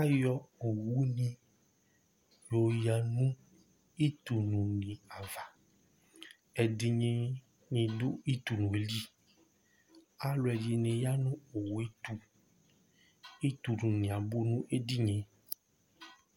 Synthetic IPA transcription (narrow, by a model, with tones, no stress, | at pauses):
a˦jɔ˦o˨wu˦nĩ˦ | jo˨ja˨nũ˦ | i˦t̪u˨nũ˨nĩ˨a˨va˨ | ɛ˨di˨ɲẽ˦ | ɲĩ˨do˦i˦t̪u˨nũ˨e˨li˦ | a˦lo˨ɛ˨d͡ʒi˨nẽ˨ja˦nũ˦o˨wu˨e˦t̪u˦ | i˦t̪u˨nũ˨nĩ˨a˨bo˦nũ˦ʔe˦di˦ɲẽ˨